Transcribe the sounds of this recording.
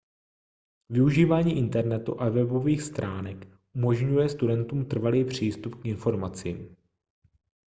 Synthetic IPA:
vɪuʒiːvaːɲiːʔɪnt̪ɛɾnɛt̪ṵʔavɛbo̞viːxst̪ɾaːnɛk | ʔumo̞ʒɲujɛst̪udɛnt̪uːmt̪r̩valiːpr̝̥iːst̪upkɪnfo̞ɾmat͡sɪ̰m

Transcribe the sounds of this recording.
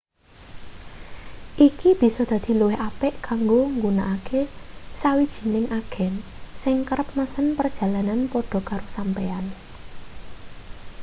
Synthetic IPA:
ʔikib̥i̤sɔd̪̥ä̤d̪̥i̤luwɪhapɛʔkaŋɡoŋɡunaʔakesawid̥ʒ̥i̤nɪŋʔaɡ̥ɛ̤n | sɪŋkəɾəp̚məsənpərd̥ʒ̥a̤lananpɔɖ̥ɔ̤kaɾosampean

